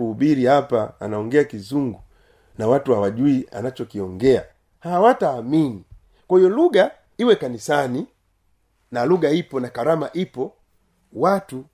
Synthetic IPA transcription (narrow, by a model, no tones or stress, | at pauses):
uuɓiɾihapa̰ːnaɔŋɡɛakizuŋɡu | nawatuhawaʄuia̰nat͡ʃɔkiɔŋɡɛa | hawataːmini | kwahijɔluɡa | iwɛkanisani | naluɡaipɔnakaɾamaʔipɔ | watu